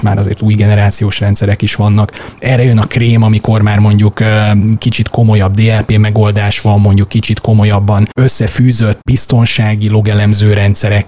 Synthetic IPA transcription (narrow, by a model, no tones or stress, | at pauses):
ma̰ːɾɒzḛːrt̪uːjɡɛnɛɾaːt̪sijoːʃrɛnt̪sɛɾɛkiʃʋɒnːɒkɛːrːɛjø̞nɒkreːmɒmiko̞rmaːrmo̞ɲɟukkit͡ʃit̪ko̞mo̞jɒb̚d̪eːɛlpeːmɛɡo̞ld̪aːʃʋɒmːo̞ɲɟukːit͡ʃit̪ko̞mo̞jɒbːɒnø̞sːɛfyːzøt̪ːbist̪o̞nʃaːɡilo̞ɡɛlɛmzøːɾɛnt̪sɛɾɛk